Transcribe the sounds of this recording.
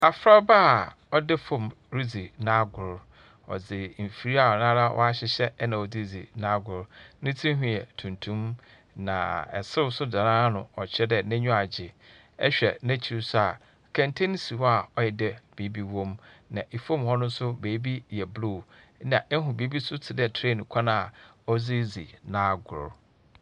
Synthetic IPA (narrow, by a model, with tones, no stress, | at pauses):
a˨fɾa˦ba˦˨ | ɔ˦dɪ˦fõ˦˨m | ɾi˦d͡zi˨nã˦ɡʊ˨ɾ | ɔ̰˨d͡zɪ˨m̩˨fi˨ɾi˦a˨ɔ˨nã˦ɾa˦wʔɔ̰˦a˦ɕɪ˦ɕɛ˦nã˨ɔ˨d͡zi˦d͡zḭ˨nã˦ɡʊ˨ɾnɪ̃˦tʰĩ˦ɦĩ˨ɛ˨tʰũ˨ntʰũ˦m | nã̰˨ɛ̰˨sɪ˦˨sʊ˦da˨nãː˦nʊ̰̃˨ɔ˨t͡ɕʰɛ˦dɛ˦nɛ̃˦ɲᶣũ˦a˨d͡ʑɪ˨ | ɛ̰˦ɕᶣɛ̰˨nɛ̃˦t͡ɕʰi˨ɾsʊ˦a̰˨ | kʰɛ̃˨ntʰẽ˦n˦si˨wa˨ɔ˦jɛ˨dɛ˦b̥iː˨˦bi˦wɔ̃˦mnã˨ʔe˨fõ˦˨mhɔ˦nʊ̃˦n̩˦sʊ˦beː˨˦bi˦jɛ˨blu˦˨˦ | nã̰˨ʔɛ˦ɦʊ̃˨biː˨˦bi˦sʊ˦tʰɪ˨dɛ˨tʰɾe˦˨nʊ̃˨kʷʰa˦nã˦˨a˨ɔ˦d͡zi˦d͡zḭ˨nã˦ɡʊ̰˨ɾ